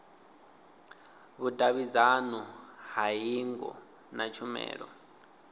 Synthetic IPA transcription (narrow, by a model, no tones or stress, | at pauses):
βudʱʼaβizanɔɦajiŋɡɔ̰ | nat͡ʃʰumɛ̰ːɺɔ̰